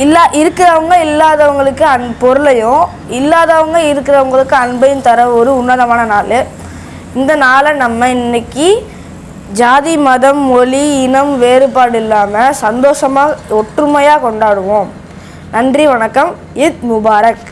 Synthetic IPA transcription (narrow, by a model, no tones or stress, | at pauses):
ɪlːaːʔɪɾɯkːɪɾɐʋɐŋɡɐɪlːaːðɐʋɐŋɡɐɭɯkːɯɐnpɔɾɯlɐjʊ̃ | ɪlːaːðɐʋɐŋɡɐɪɾɯkːɪɾɐʋɐŋɡɐɭɯkːɯɐɳbɐjɯnt̪ɐɾɐʋɔɾɯʊnːɐðɐmaːnɐnaːlɯ | ɪnd̪ɐnaːlɐnɐmːɐɪnːɐkːi | d͡ʒaːðimɐðɐmɔliɪnɐmʋeːɾɯpːaːɽɪlːaːmɐsɐnd̪oːʂɐmaːɔʈrɯmɐjaːkɔɳɖaːɽɯʋõ | nɐndriʋɐɳɐkːɐm | ɪd̪̚mʊbaːɾɐk